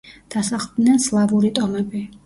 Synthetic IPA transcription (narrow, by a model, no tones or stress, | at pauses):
d̪̥asaχlˠd̪nɛnslˠavuɾit̪ʼɔmɛbi